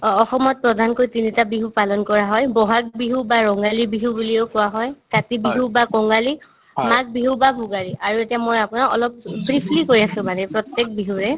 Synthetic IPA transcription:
ɔxɔmɔt̚pɹɔdʱankoɹjtinitabiɦupalɔnkɔɹaɦɔjbɔɦak̚biɦubaɹɔŋɡalibiɦubulieʊkʊwaɦɔjkatibiɦubakɔŋɡali | mak̚biɦubabʱuɡaɹiʔaɹuetijamojapunaɔ̰lɔp̚bɹipʰlikoɹiasʊ̃manɛpɹɔtɛk̚biɦuɹɛ

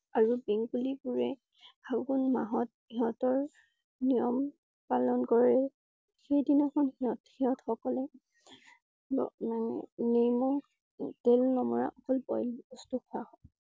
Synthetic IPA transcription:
aɹubeŋɡuliɡuɹɛ | haɡunmaɦɔt̚ | iɦɔtɔɹ | nijɔm | palɔnkɔɹɛ | xejdinɔkʰɔnhiɔthiɔtxɔkɔlɛ | bɔ̰naŋ̰nemɔ | telnɔmɔɹa̰ʔɔkɔlbɔ̰jlɔstukʰʊahɔ

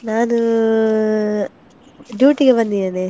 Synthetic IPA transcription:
naːnu | ɖjuːʈiɡebɐnd̪iene

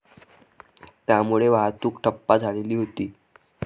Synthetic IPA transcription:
t̪jamuɭeʋaɦt̪uːkʈʰəpːad͡zʱaleliːɦot̪iː

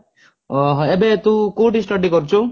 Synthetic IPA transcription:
ɦebet̪ũkoʈisʈʌɖiɡɔɾut͡ʃʰu

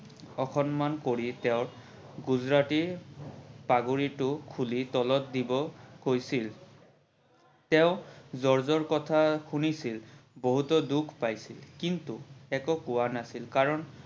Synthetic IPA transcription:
ɔxʰɔnmankoɹitɛʊɹ | ɡuzɹatiɹ | paɡuɹitʊkʰulitɔlɔt̚dibɔhojsil | tɛʊ̃zɔɹzɔɹkɔtʰaxunisilboɦutɔdukʰpajsilkintuɛkɔkʊwanasilkaɹɔn

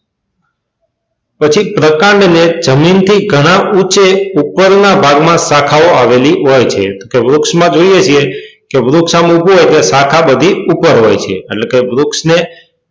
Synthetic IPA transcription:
pət͡ʃʰipɾəkãɳɖned͡ʒəmint̪ʰiɡʱəɽ̃aʔut͡ʃeupːəɾnabʱaɡmãsakʰaʋoaʋeliɦojt͡ʃʰḛt̪okeʋɾʊksmãd͡ʒoiet͡ʃʰiekeʋɾʊksamubuɦojkesakʰabəd̪ʱiupəɾɦojt͡ʃʰḛːʈlekeʋɾʊksne

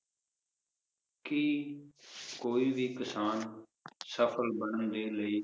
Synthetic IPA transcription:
kiː | koːiːʋiːkəsaːn | səfʰəlbəɳənd̪eːləiː

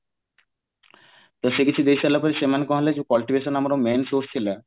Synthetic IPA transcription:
t̪oʃekit͡ɕʰud̪eʃalapoɾsemankɔɦled͡ʑkɔlʈibʱeʃonamaɾomensost͡ɕʰila

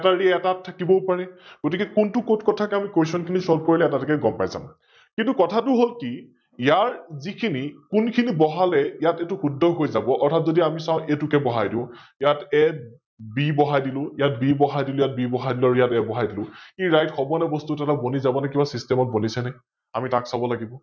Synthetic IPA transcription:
ɛtaɹiɛtatʰːakibɔpaɹɛɡ̥otikɛkʊntʊkotkɔtʰakɛamikojsɔnkʰinisɔb̚koɹilɛɛtatkɛɡɔmpa̰jza̰m | kintʊkɔtʰatʊɦolki | ijaɹzikʰinikʊnkʰinibɔɦalɛjatɛtʊxudʱːɔɦojzabɔʔɔɹtʰatzodiamisãʊ̃ʔetʊkɛbɔɦajdĩʊ̃jatɛ | bibɔɦajdilʊ̃ijat̚bibɔɦajdilʊ̃jat̚bibɔɦadilʊ̃aɹujatɛbɔɦajdilʊ̃iɹajtxɔbɔnɛbɔstutɛtabonizabɔnɛkibasistɛmɔt̚bonisɛnɛ | amitaksabɔlaɡibɔ

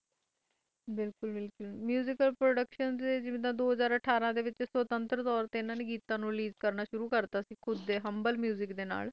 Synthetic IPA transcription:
bɪlkʊlbɪlkʊlmjuːzɪkəlpɾoːɖəkʃəndeːd͡ʒɪʋd̪ãːd̪oːɦəzaːɾəʈʰaːɾãːd̪eːʋɪt͡ʃswət̪ə̃nt̪ɾət̪ɔːɾt̪eːɪnãːnẽːɡiːt̪ãːnũːliːzkəɾnaːʃʊɾuːkəɾt̪aːsĩːkʰʊd̪ːeːɦəmbəlmjuːzɪkd̪eːna̰ːl

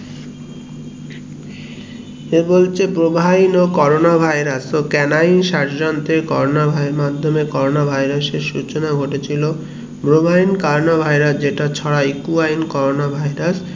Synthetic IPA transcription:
ebolt͡ɕʰebɾobʱajnokɔɾonabʱajɾasokɛnainʃaɾd͡ʑant̪eɾkɔɾonabʱajmad̪ʱːomekɔɾonabʱajɾaseɾʃut͡ɕonaɡʱoʈet͡ɕʰilo | bɾobʱainkaɾonabʱajɾasd͡ʑeʈat͡ɕʰɔɽajkuajnkɔɾonabʱajɾas

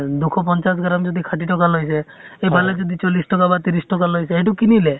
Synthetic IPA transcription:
d̪ukʰɔp̬ɔnt͡ʃas̬ɡɾamd͡ʒɔd̪ʱikʰaʈiʈɔkalojs̬e | ebʱaled͡ʒɔd̪ʱit͡ʃɔlisʈɔkabat̪iɾisʈɔkalojseɛʈ̬ukinile

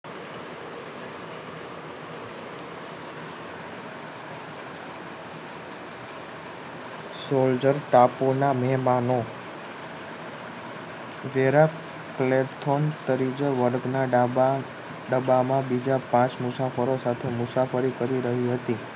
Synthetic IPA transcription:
sold͡ʒəɾʈaponamɛɦmano | ʋeɾa | klet̪ʰont̪əɾid͡ʒəɾʋəɾɡna | ɖəbamãbid͡ʒapãt͡ʃmʊsafəɾosat̪ʰemʊsafəɾikəɾiɾəɦiɦət̪i

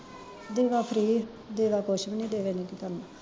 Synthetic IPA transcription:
d̪eːʋaːpʰɾiː | d̪eːʋaːkoːʃəmnĩːd̪eːʋeːnĩːkik̪əɾna

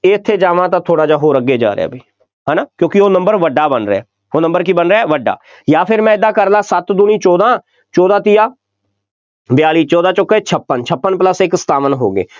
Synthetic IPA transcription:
eɪt̪ʰːeːd͡ʒaːʋãːt̪ãːt̪ʰoːɽaːd͡ʒaːɦoːɾəɡeːd͡ʒa̰ːɾḛa̰ːbʱiː | ɦɛːnaːkjõːkɪoːnə̃mbəɾʋəɖːaːbənɾɛ̰ː | oːnə̃mbəɾkibənɾɛːʋəɖːa̰ː | jaːpʰɪɾmɛ̃ːɪd̪ãːkəɾlãːsət̪d̪ʊniːt͡ʃɔːd̪ãː | t͡ʃɔːd̪aːt̪ijaː | bɪjaːliːt͡ʃɔːd̪ãːt͡ʃʊkːeːt͡ʃʰəpːənt͡ʃʰəpːənpləsɪkst̪aːʋənɦoːɡḛː

